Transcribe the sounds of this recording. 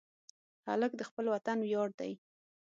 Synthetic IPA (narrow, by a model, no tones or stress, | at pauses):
ha̰ləkd̪əxpəlwat̪anwjɑɽ̚d̪a̰j